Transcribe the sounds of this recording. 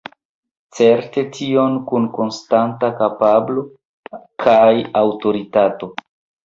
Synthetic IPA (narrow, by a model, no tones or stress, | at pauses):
t͡se̞ɾte̞tʰio̞nkunko̞nstantakapablo̞ | kʰajawto̞ɾitato̞